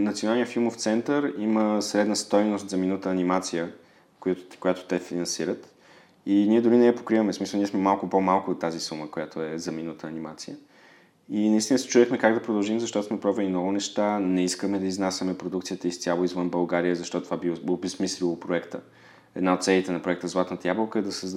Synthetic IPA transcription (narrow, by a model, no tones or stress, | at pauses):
nɐt̪sijonalˠniəfilˠmoft̪sɛnt̪əɾiməsɾɛd̪nəst̪ɔjnost̪zɐminət̪əːnimat̪sijə | kojatkojat̪ʊ̥t̪ɛfinɐnsiɾət̪ | iniɛd̪ʊɾinɛɛpo̥kɾivəmɛsmisəlˠniɛsmɛmalˠkʊpomalˠkʊːt̪ːazisuməkojat̪ʰoɛzɐminət̪ʰəːnimat̪sijə | inɐist̪inəsɛ̥t͡ʃud̪ɛxmɛkaɡd̪ɐpɾod̪ɐlˠʒimzɐʃt̪ɔt̪osmɛpɾɔvəlinɔvʊnɛʃt̪anɛiskəmɛd̪ɐiznasʲjəmɛpɾod̪ukt̪sijət̪əist̪ʲjalˠoizvənbɐlˠɡaɾijəzɐʃt̪ɔt̪t̪vabiobɛsmislʲilˠopɾoɛkt̪ə̰ | ɛ̰d̪naot̪sɛlit̪ɛnɐpɾoɛk̚t̪əzlˠat̪nət̪əjablˠəlˠkəɛd̪ɐsɛz